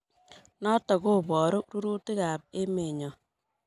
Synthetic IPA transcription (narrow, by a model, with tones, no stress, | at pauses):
nɔ˦tɔ˨ɣo˦bɔ˨ɾo˦ɾu˦ɾu˦tɪ˦ka˨p̚e˦me˨ɲɔ˨